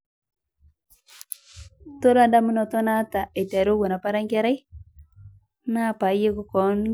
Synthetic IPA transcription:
to˦ɾa˦nda˦mu˦nɔ˨tɔ˦na˦ta˨e˨ta˨ɾo˦ɣo˨na˨pa˦ɾa˦ŋɡe˦ɾa˦ | na˦pa˨je˦ku˨kɔ˨n˦

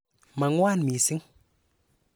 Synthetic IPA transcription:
ma˨ŋwa˦nmi˨si˦ŋ

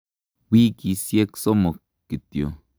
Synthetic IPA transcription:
wi˦ki˨sje˦kso˦mo˨kːi˨t̪jo̰˨

